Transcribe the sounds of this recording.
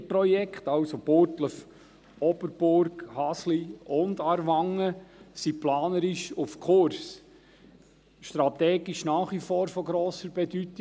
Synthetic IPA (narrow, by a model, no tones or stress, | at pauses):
pɾɔjɛkχt̪ɑwsob̥oɾtləf | ɔbəɾb̥ʊɾɡhɑsliʊnd̪ɑɾʋaŋːəsiplɑːnəɾɪʃufkʰʊɾs | ʃtɾɑt̪ɛːɡɪʃnɑːχʋifɔːɾfɔɡɾoːsəɾb̥ɛdytɪ